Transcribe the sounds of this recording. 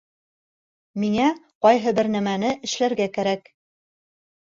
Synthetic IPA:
miŋæqɒjɦɤbɘɾnæmænɘʔɘ̆ʃlæɾɡækæɾæk

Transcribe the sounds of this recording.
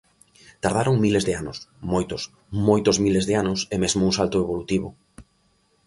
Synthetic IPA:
t̪aɾðaɾoŋmilezðeano̰smojt̪ʊs | mojt̪ozmilezðeanʊsemezmouŋsalt̪ʊeβ̞olut̪iβʊ

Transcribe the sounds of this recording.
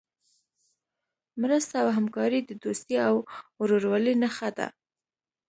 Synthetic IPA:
mɾəst̪aawɦamkɑɾid̪əd̪ost̪iawɾoɾwɑlinaxad̪a̰

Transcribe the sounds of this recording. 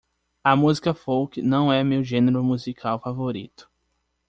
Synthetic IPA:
ɐmuzikɐfowkɪnɐ̃w̃ɛmewʒẽneɾʊmuzikʰawfavoɾḭt̪ʊ̥

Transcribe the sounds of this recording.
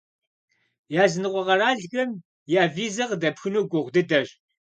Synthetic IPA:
jaːzɨnɨqʷɔʁɐɾaːɮɣɐm | jaːviːzɐʁdɐpxɨnuːɡʷʊʁʷdɨdɐɕ

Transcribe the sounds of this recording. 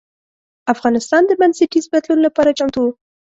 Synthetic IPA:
afɣɑnɪst̪ɑnd̪əbansiʈizbad̪lunolapɑɾat͡ʃamt̪u

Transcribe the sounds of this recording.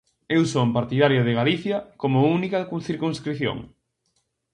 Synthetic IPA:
ewsompaɾt̪iðaɾjoð̞eɣaliθjɐkomʊunikɐkuθiɾkuŋskɾiθjo̰ŋ

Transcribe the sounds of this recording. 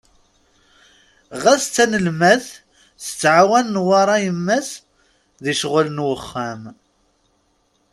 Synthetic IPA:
ʁæst͡sːænəlmæθ | θə̥t͡sːʕawænənwɑɾˤɑjəmːæs | ðiʃʁələnwəχːæm

